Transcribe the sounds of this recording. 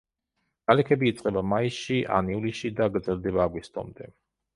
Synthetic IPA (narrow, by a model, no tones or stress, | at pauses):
ɡ̥alɛkʰɛbiːt̪sʼqʼɛbamaisʃiʔa̰niuliʃid̪aɡɾd̪zɛld̪ɛbaːɡwist̪ʼɔ̰md̪ɛ